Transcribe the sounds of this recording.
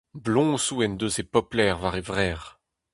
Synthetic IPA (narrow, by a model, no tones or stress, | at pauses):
blɔ̃suɛnd̪øsepɔplɛʁvaʁevʁɛːʁ